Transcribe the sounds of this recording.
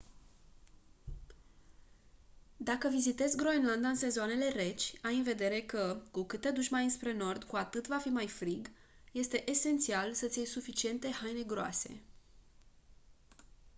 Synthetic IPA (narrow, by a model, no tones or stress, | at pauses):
d̪akəvizit̪e̞zɡɾo̞enland̪aɨnse̞zoane̞le̞re̞t͡ʃʲajɨnve̞d̪e̞ɾe̞kəkukɨt̪e̞d̪uʃmaɨnspɾe̞no̞rd̪kuat̪ɨt̪vafimajfɾiɡ | je̞st̪e̞ʔese̞nt̪sialsət̪sʲiejsufit͡ʃie̞nt̪e̞hajne̞ɡɾoa̰se̞̰